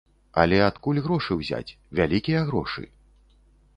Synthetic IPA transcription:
ɐ̰lʲɛat̪kulʲɣɾɔʂɨwzʲa̰t͡sʲ | vʲalʲikʲijɐɣɾɔ̰ʂɨ̰

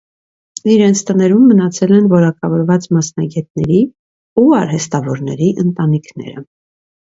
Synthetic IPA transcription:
iɾɛnt͡sʰt̪ənɛɾumːənɑt͡sʰɛlɛnvɔɾɑkɑvɔɾvɑt͡smɑsnɑɡɛt̪̚nɛɾi | uɑɾɦɛst̪ɑvɔɾnɛɾiʔənt̪ɑnikʰnɛ̰ɾə̰

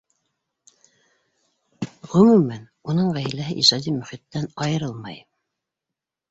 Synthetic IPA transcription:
ʁɵ̆mumæn | unɤɴʁæjlæɦɘʔiʒɑd̪imɵ̆χit̪ːænɑjɤ̆ɾɤlˠmɑj

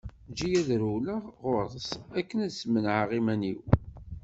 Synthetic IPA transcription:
d͡ʒijæðɾuləʁʊɾðˤəsækːənæðsmənʕaʁimæniw

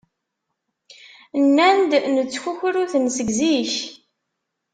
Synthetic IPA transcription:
nːænd̪nət͡sːçuçɾuθnsəɡziç

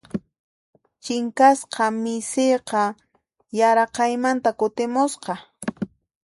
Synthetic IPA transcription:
t͡ʃɪŋkasqɑmɪsejqɑ | jaɾɑqɑjmant̪akʊt̪ɪmʊsqɑ

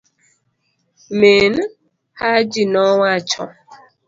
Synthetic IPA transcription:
meːn̩ | had͡ʒinɔŋʷat͡ʃɔ̰

